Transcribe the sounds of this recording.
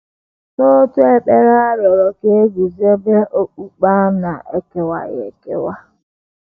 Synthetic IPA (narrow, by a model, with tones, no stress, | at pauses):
to˦tu˦e˦k͡pe˦ɣa˦ɾjɔ˨ɾɔ˨ke˦ɡu˨zi˦e˦be˦ʔo˦k͡pu˦k͡pa˦na˨ḛ˦ke˨wa̰˨jḛ˨kḛ˦wa˦